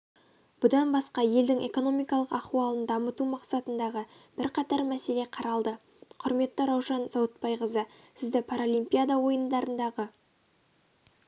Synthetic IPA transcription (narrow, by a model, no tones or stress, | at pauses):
b̥ʊd̪ɑnbɑsqɑje̞ld̪ɪŋʔe̞ko̞no̞mijkɑlˠəqɑχuwɑlˠənd̪ɑmət̪umɑqsɑt̪ənd̪ɑʁəb̥ɪɾqʰɑt̪ɑɾmæse̞le̞qʰɑɾɑlˠd̪ə | qʰʊɾme̞t̪ːɪɾɑwʒɑnzɑwət̪̚pɑjʁəzəsɪzd̪epʰaɾolˠijmpʲijad̪awo̞jənd̪ɑɾənd̪ɑʁə